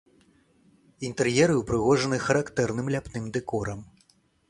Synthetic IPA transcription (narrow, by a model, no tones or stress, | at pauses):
int̪ɛrjɛɾɨwpɾɨɣɔʐɐnɨxɐɾakt̪ɛrnɨmlʲapnɨmd̪ɛkɔɾɐm